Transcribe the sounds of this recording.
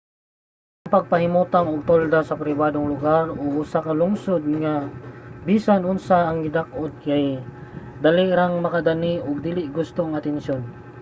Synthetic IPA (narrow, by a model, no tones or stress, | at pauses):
ʔaŋpɐɡ̚pɐɦɪmuːt̪aŋʊɡ̚t̪old̪asɐpɾɪbaːd̪oŋlʊɡaɾoʔʊsakɐlʊŋsod̪̚ŋabiːsanʊnsaːŋɪd̪ak̚ʔod̪̚kaj | d̪aliɾaŋmɐkad̪aniʔʊɡ̚d̪ilɪʔɡʊst̪oŋɐt̪ɛnʃjon